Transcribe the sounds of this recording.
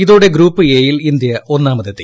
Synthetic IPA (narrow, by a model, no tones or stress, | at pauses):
iðuːɽe̞ɡɾuːpːɨeːjilind̪jɐo̞nːaːmɐðɐt̪ːi